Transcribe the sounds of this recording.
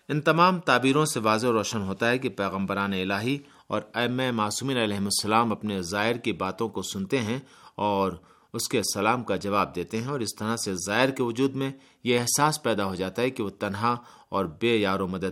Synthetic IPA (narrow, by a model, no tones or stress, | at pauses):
ɪnt̪ɐmaːmt̪aːbiːɾõseʋaːzeoɾɔːʃənɦoːt̪aɦɛkipɛːɣə̃mbəɾaːneɪlaːɦi | ɔ̰ːɾɐmɛmaːsuːmiːnɐlɛːɦɪmʊsːɐlaːmɐpnezaːɪɾkibaːt̪õkosʊnt̪eɦɛ̃ | ɔːɾ | ʊskesɐlaːmkad͡ʒɐʋaːb̚d̪eːt̪eɦɛ̃ɔːɾɪst̪ɐɾasezaːɪɾkeʋʊd͡ʒuːd̪mẽ | jeːɦsaːspɛːd̪aɦod͡ʒaːt̪aɦɛkiʋot̪ɐnɦa | ɔːɾbeːjaːɾomɐd̪əd̪̚